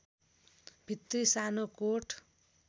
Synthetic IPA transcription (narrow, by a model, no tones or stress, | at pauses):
b̥ʱit̪risanokoʈʰ